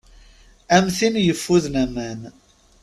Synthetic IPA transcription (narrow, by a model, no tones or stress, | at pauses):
æmθinjəfːuðnæmæn